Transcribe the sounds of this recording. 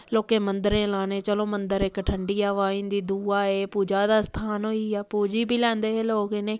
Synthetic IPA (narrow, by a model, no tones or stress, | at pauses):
loːkeːmənd̪əɾẽːlaːneːt͡ʃəlõːmənd̪əɾɪkʈʰəɳɖiːaːʋaːĩːnd̪iːd̪uːaːeːpuːd͡ʒaːd̪aːst̪ʰaːnɦoːiːɛːpuːd͡ʒiːbʱiːlɛ̃ːnd̪eːɦːloːkeneː